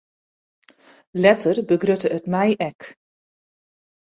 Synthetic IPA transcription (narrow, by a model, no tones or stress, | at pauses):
lɛtərbəɡrøtəətmɛjʔɛk